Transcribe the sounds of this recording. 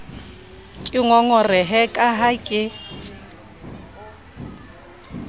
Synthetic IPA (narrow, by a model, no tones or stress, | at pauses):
kʼɪŋɔŋɔrɪɦɛkʼaɦakʼɪ